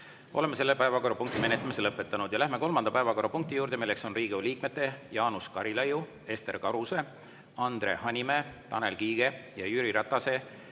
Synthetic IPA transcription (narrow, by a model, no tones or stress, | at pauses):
o̞le̞mːese̞lːepæevɑko̞ɾːɑpuŋkt̪ime̞net̪ːˑɑmise̞lɤpːˑe̞t̪ːˑɑnud̪̥jɑlæɦme̞ko̞lmɑnd̪ɑpæevɑko̞ɾːɑpuŋk̚t̪ijuːɾd̪e̞milːekso̞nriːɡiuliːk̚me̞t̪ːˑe̞jɑːnuskɑɾilɑju | e̞st̪e̞rkɑɾuse̞ | ɑnd̪re̞hɑnʲime̞t̪ɑne̞lkiːɡ̥e̞jɑjyɾiɾɑt̪ːˑɑse̞